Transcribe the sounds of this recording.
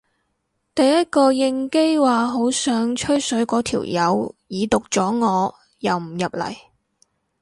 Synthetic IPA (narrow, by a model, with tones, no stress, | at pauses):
t̪ɐ˨jːɐ˥t̚kɔː˧jɪ˧ŋke˥jwaː˨˩ɦo˨˥wsœː˨˥ŋt͡ʃʰɵ˥ɥsɵ˨˥ɥkɔː˨˥t̪ʰḭː˨˩wjɐ˨˧wjiː˨˧t̪ʊ˨k̚t͡sɔː˨˥ŋɔː˨˧ | jɐ˨wm̩˨˩jɐ˨p̚lɐ̰˨˩j